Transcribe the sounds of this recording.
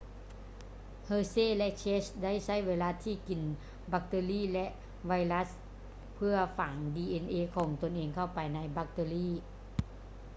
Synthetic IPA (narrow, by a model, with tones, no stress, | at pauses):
hɤː˧seː˥˩˨lɛ˧˥ʔt͡ɕʰeː˦˥sda˥˩jsa˥˩jweː˧la˧˦˥t̪ʰːiː˥˩ki˨˩n | ba˧˥k̚t̪eː˧liː˥˩lɛ˧˦˥ʔ | wa˧jla˦˥s | pʰɯ˥˩ɐfaː˨˩˦ŋdiː˧ʔe˧nʔeː˧kʰɔː˩˦ŋt̪o˧nʔeː˧ŋkʰa˥˩wpa˨jna˧jba˧˥k̚t̪eː˧liː˥˩˨